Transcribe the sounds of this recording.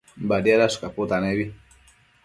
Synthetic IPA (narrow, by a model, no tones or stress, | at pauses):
mbadiaɾasu̥kaput̪anɛbi